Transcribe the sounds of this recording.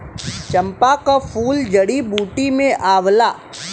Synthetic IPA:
t͡ʃɐ̃mpakapʰuːld͡ʒɐɽibuːʈimẽʔaːʋlaː

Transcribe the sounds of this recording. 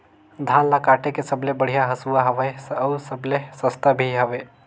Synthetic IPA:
d̪ʱaːnlakaːʈekesəblebəɽ̤ijaɦɐsuaɦɐʋəesɾsəblesəst̪abʱiɦɐʋe

